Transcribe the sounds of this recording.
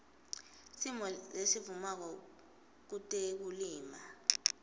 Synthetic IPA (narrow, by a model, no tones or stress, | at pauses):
simɔlesivumak̬ɔ | k̬utʼek̬uliːma